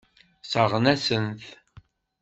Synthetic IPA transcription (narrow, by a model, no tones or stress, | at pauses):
səʁnæsənθ